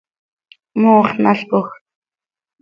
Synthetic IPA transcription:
moːχnaɬpʊx

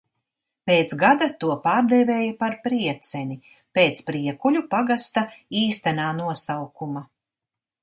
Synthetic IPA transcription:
peːt̪sɡad̪at̪uɔpaːɾd̪eveːjapaɾpɾiɛt̪sɛni | peːt̪spɾiɛkulʲupaɡast̪aiːst̪anaːnuɔsawkuma

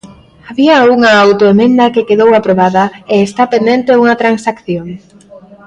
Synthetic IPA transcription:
aβiɐuŋɐawt̪oemẽnd̪ɐkekeðowapɾoβaðɐeːst̪apend̪ent̪euŋɐt̪ɾansakθjoŋ

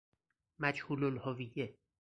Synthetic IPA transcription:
mæd͡ʒhuːlolhovije

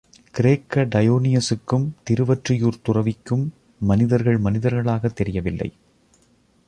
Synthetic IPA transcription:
kɪɾeːkːɐɖɐjoːnɪjɐsɯkːɯmt̪ɪɾɯʋɐʈrɪjuːɾt̪ʊrɐʋɪkːɯmː | ɐnɪðɐɾɣɐɭmɐnɪðɐɾɣɐɭaːɣɐt̪ːɛɾɪjɐʋɪlːɐ̰ɪ

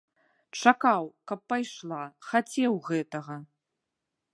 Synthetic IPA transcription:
t͡ʂakawkɐpːajʂlˠaxat͡sʲɛwɣɛt̪ɐɣɐ

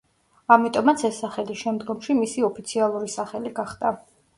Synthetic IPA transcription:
amit̪ʼɔmat̪sʰɛsːaχɛlisʃɛmd̪ɡɔmʃimisiɔpʰit̪sʰialˠuɾisaχɛliɡaχd̪̥a

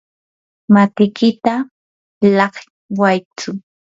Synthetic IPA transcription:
mat̪ɪkɪt̪a | lɑχ | wajt͡sʊ

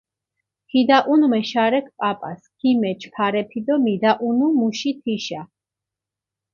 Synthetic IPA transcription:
pʰid̪aʔunmɛʃaɾɛk̚ʰpʼapʼa̰skʰimɛt͡ʃʰpʰaɾɛpʰid̪ɔmid̪aʔunumuʃit̪ʰiʃa

